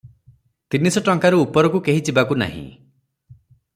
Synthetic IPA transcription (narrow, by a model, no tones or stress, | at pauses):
t̪inisɔʈɔŋkaɾuːpɔɾɔkukeɦit͡ʃibakuna̰ɦḭ̃